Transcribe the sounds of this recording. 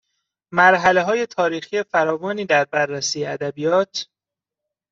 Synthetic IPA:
mæɾɦæle̞ɦɒːje̞t̪ʰɒːɾiːxiːjefæɾɒːvɒːniːd̪æɾbærːæsiːjeæd̪æbijɒːt̪ʰ

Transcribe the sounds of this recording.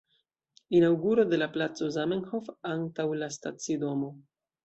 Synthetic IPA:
inawɡuɾo̞de̞laplat͡so̞zamenho̞fantawlastat͡sido̞mo̞

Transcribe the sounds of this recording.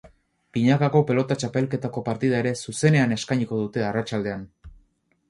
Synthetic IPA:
piɲakako̞pe̞lo̞t̪at͡ʃape̞lke̞t̪ako̞paɾt̪iðae̞ɾe̞suse̞ne̞ane̞skajɲiko̞ðut̪e̞arat͡ʃald̪e̞an

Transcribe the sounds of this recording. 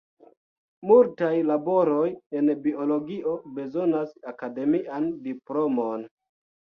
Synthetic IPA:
multajlabo̞ɾo̞je̞nbio̞lo̞ɡiʔo̞be̞zo̞nasakade̞miʔandiplo̞mon

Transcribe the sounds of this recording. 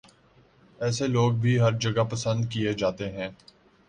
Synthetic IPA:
ɛːseloːɡ̚bʱiɦɐɾd͡ʒɐɡapɐsə̃nd̪kijed͡ʒaːt̪eɦɛ̃ː

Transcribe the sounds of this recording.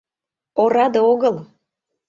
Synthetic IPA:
oɾɑd̪eoɣəlˠ

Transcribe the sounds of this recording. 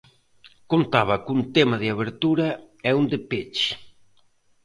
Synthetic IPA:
kont̪aβɐkunt̪emaðɪaβ̞eɾt̪uɾɐ | ɛund̪ɪpet͡ʃ

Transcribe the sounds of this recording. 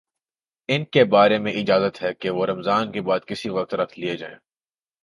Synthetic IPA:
ɪnkebaːɾemẽʔɪd͡ʒaːzət̪ɦɛkeʋoɾɐmzaːnkebaːd̪kɪsiʋɐq̚t̪ɾɐk̚t̪lied͡ʒa̰ːḛ̃ː

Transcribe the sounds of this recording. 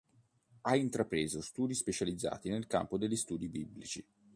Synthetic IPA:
aint̪ɾapɾeːzost̪uːd̪ispet͡ʃalid̪zːa̰ːt̪inelka̰mpod̪eʎːist̪uːd̪ibibːlit͡ʃi

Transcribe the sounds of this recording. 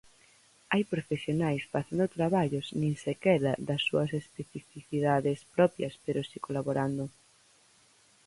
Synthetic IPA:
ajpɾofesjonajsfaθand̪ot̪ɾaβaʎʊznĩŋsekɛðɐðɐsːuɐsespeθifiθiðaðespɾɔpjɐspeɾosikolaβoɾand̪ʊ

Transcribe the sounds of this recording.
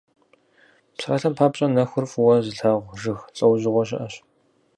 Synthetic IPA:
psaːɬɐmpʰaːpɕʼɐnɐxʷʊrfuwɐzɨɬaːʁʷʒɨxt͡sʼɐwʑɪʁʷɔɕɪ̰ʔɐɕ

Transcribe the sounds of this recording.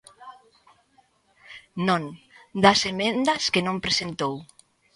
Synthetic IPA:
nõnd̪asemẽnd̪askenõmpɾesent̪ow

